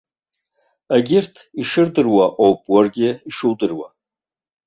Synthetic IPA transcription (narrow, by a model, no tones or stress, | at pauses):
aɡʲɪrtʰiʂɨrdɨrwaʔowpʼwarɡʲɪiʂɨwdɨrwa